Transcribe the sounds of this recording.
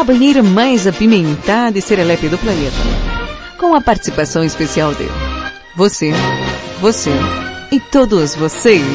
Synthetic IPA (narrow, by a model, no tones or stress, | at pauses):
ɐbɐ̃jejɾɐmajzapimẽnt̪ad̪ɪseɾɛlɛpjɐd̪ʊplɐnet̪ɐ̰ | kõɐpaɾt̪i̥sipasɐ̃w̃ɪspesiawd̪ɪ̰ | vosevoseɪt̪od̪ʊzvosejs